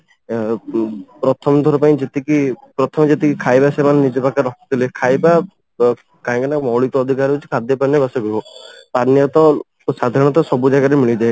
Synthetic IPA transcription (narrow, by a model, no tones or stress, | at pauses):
pɾɔt̪ʰɔmɔd̪ʱɔɾɔpaĩd͡ʒet̪ikipɾɔt̪ʰɔmd͡ʒet̪ikikʰajbasemannid͡ʒɔbakaɾɔkʰɔt̪ilekʰajba | kaɦkanakmɔwɭit̪ɔːd̪ʱikaɾut͡ʃʰi̥kʰad̪ʱjɔpanjɔbasɔɡɾuɦɔpanjɔt̪ɔ | sad̪ʱaɽ̃ɔt̪ɔsɔbud͡ʒakaɾemiɭid͡ʒae